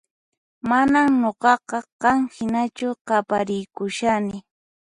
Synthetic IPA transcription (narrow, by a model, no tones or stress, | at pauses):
manamɲoɢɑqɑqɑŋhɪnat͡ʃʊqɑpaɾɪjkʊʃanɪ